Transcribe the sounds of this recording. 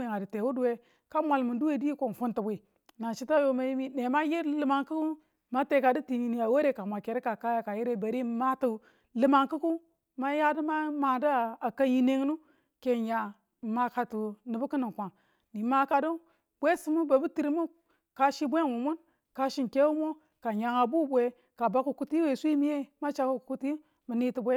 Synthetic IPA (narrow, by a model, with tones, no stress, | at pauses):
e˨ŋa˨di˨te˨wu˦du˦we˦ | ka˦mʷa˨lmu˨ndu˦we˦˨di˦i˦ko˨n˨fu˦ntu˨bʷi˨ | na˨ʃi˦ta˦jo˦ma˨ji˦mi˦ne˨ma˦ji˦ɾlɨ˨ma˨ŋki˦ku˦ | ma˦te˨ka˨di˦ti˨ɲi˨ni˨a˨wo˦ɾe˦ka˨mʷa˨ke˨ɾe˦ka˨ka˦ja˨ka˨ji˦ɾe˦˨ba˨ɾi˦˨˦ma˦tu˦ | lɨ˨ma˨ŋku˦ku˦ | ma˦ja˦də˦ma˦ma˨da˦˨a˨ka˦ji˦ne˦ŋ˦nu˦ | ke˨ɲa˨ | ma˨ka˨tu˨nɨ˨bu˦kɨ˦ni˨kʷa˨ŋ | ni˨˦ma˦ka˨du˦ | bʷe˦si˦mu˦ba˨˦bu˦ti˨ɾi˦mu˦ | ka˨ʃi˦bʷe˦˨nwu˨mu˦n | ka˨ʃi˨nke˦wu˦mo˦ | ka˨ɲa˨ŋa˨bu˦bʷe˨ | ka˨ba˦ku˨ku˦ti˦we˨sʷi˦mi˦je˦ma˦t͡ʃa˦ku˦˨ku˦ti˦i˦ | mi˨ni˦ti˨bʷe˦